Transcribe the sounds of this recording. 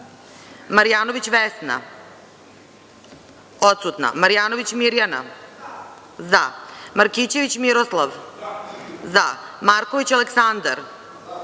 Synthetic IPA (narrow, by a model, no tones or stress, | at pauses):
maɾijaːnoʋit͡ɕʋesna̰ | o̞t̪sut̪na̰maɾijaːno̞ʋit͡ɕmiɾjana̰ | zamaɾkit͡ɕe̞ʋit͡ɕmiɾoslˠaʋ | zamaɾkoʋit͡ɕaleksand̪aɾ